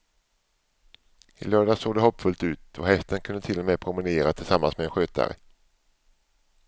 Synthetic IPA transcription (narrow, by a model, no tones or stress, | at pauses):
ɪ̰lœːɖasoːɡd̪ɛɦɔpːfɵlt̪ʉ̟ːt̪ɔhɛft̪ənkʰɵnd̪ət̪ʰɪlːɔmeːpʰɾʊmɪneːɾat̪ʰɪlsamːansmɛɛnɧøːt̪ʰa̰ɾə̰